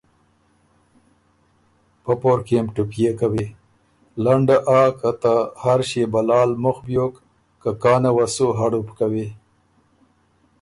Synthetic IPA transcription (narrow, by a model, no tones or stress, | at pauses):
pəpoɾkemʈʊpjekawe | laɳɖaʔakat̪ahaɾʃebalɑːlmʊxbjok | kakɑːnawasuɦaɽupkawe